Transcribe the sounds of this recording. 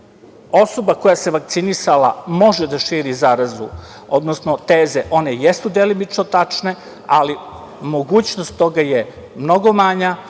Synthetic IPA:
o̞so̞bako̞jase̞ʋak̚t̪sinisalamo̞ʒed̪aʃiːɾizaɾazu | od̪nosno̞t̪eːzeʔo̞ne̞jesud̪elimit͡ʂnot̪at͡ʂne̞ | ali | mo̞ɡuːt͡ɕnost̪ːo̞ɡaje | mno̞ɡo̞maɲa

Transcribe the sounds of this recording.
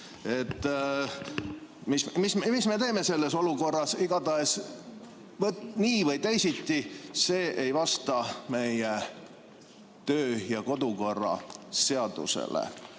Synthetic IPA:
e̞t̪ː | mismismisme̞t̪e̞ːme̞se̞lːe̞so̞luko̞rːɑsiɡ̥ɑd̪ɑes | vɤt̪niːvɤjt̪ejsit̪ˑːise̞ːʔejvɑst̪ɑme̞je | t̪øːjɑko̞d̪̥uko̞rːɑ̰se̞ɑd̪̥ṵsḛlḛ

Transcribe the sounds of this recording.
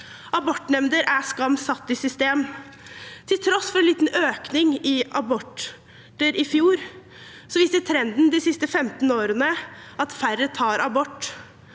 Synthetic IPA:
ɑbɔʈːnɛmnd̪əɾʔæskɑmsɑt̪ːɪsʏst̪eːm | t̪ʰɪlt̪ʰɾɔsfɔɾɛnliːt̪n̩øːknɪŋɪʔɑbɔʈː | əɾʔɪfjuːɾ | sɔʋiːst̪ət̪ʰɾɛnd̪n̩d̪ɪsɪst̪əfɛmt̪n̩oːɾənəʔɑt̪fæɾət̪ʰɑːɾɑbɔʈː

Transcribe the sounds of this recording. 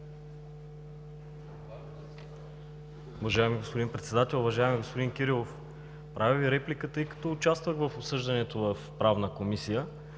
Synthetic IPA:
ʊvɐʒaɛmiɡospod̪inpɾɛt̪sɛd̪at̪ɛlˠʊvɐʒaɛmiɡospod̪inkʲiɾilˠof | pɾʔaviviɾɛplikət̪ɤjkɐ̥t̪ɔːt͡ʃast̪vəɣvəfopsɤʒd̪ɐnɛt̪ovəfpɾavnəkomisijə

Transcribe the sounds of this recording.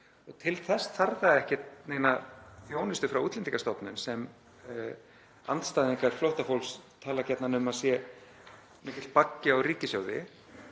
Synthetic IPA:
ɔɣt̪ʰɪlθɛsθaɾðaɛhcɪt̪neːjnaθjoːwnɪst̪ʏfɾawuːt̪lɛnt̪ikast̪ɔpnʏnsɛm | a̰nt̪st̪aːðɪnkʰaɾ̥flowht̪afowlst̪ʰaːlacɛt̪nanʏmaðsjɛ | mɛːcɪlt̪̚pacːɪawriːcɪsjaːwðɪ̰

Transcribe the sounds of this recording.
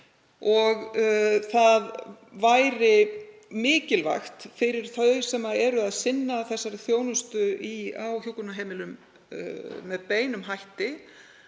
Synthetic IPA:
ɔɣθað | vajɾɪmɪːcɪlva̰xt̪fɪɾɪɾ̥θœðsɛmaðɛɾʏaðsɪnːaθɛsːaɾɪθjoːwnʏst̪ʏia̰wçjowkʏnaɦejmɪlʏm̰ | mɛðpeːjnʏmɦajht̪ɪ

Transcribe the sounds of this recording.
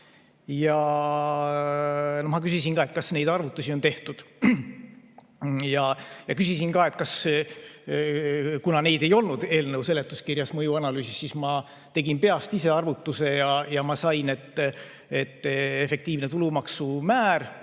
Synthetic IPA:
jɑ | nomɑkysisinkɑːe̞t̪̚kɑsne̞jd̪̥ɑrvut̪ːˑusio̞nt̪e̞ht̪ud̪̥ | jɑjɑkysisinkɑːe̞t̪̚ˑkɑs | kunɑne̞jd̪̥e̞jo̞lnud̪̥e̞ːlnewse̞le̞t̪ːˑuskirjɑsmɤjuɑnɑlyːsisːismɑ | t̪e̞ɡinpe̞ɑst̪ise̞ɑrvut̪ːuse̞jɑjɑmɑsɑjnet̪ːˑ | e̞t̪ːe̞fe̞k̚t̪iːvne̞t̪ulumɑksumæːɾ

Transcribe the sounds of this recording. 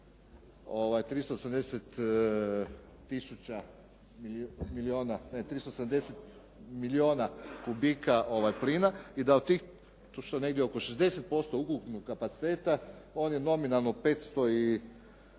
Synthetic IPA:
oʋajt̪ɾist̪osamd̪eset̪ | isut͡ɕa | mimilioːnanet̪ɾist̪osed̪amd̪e̞set̪ | milio̞ːnakubikaʔo̞ʋajpliːnaid̪aot̪t̪ːiːx | ʃt̪one̞ɡd̪jeoko̞ʃezd̪e̞set̪̚po̞st̪oukuknoɡ̚kːapat̪si̥t̪e̞ːt̪ao̞ːnje̞no̞minalˠnope̞ːt̪st̪o̞i

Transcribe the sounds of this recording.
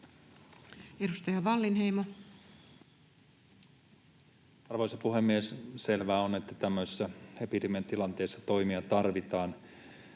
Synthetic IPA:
edust̪ɑjɑʋɑlːinɦejmo | ɑrʋosɑpuɦe̞mːiesse̞lʋæːone̞t̪ːæt̪æmːøisisːæhepit̪iment̪ilɑnt̪e̞ːsːɑt̪o̞jmiɑt̪ɑrʋit̪ɑːn

